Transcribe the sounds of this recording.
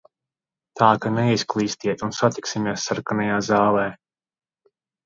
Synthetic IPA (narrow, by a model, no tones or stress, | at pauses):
t̪aːkanɛisklˠiːst̪iɛt̪unsat̪iksimʲiɛsːaɾkanajaːzaːlˠɛː